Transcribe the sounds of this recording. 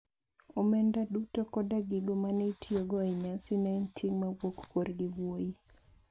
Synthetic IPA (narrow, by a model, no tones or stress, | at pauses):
omɛndadutokɔdaɡɪɡomanetʰioɡɔɛɲasinaɪntʰiŋmawokkoɾɡɪɡwoji